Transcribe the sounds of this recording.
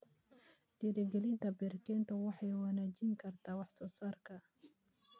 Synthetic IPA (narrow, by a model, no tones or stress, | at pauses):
d̪̥iɾɛɡɛlɪnt̪ʰɐbɛɾkʰɛːnt̪ʰɐwɑħɑjwanaːd͡ʒɪŋkʰɐrt̪ʰaːwɑħsɔːsaːrkʰɐ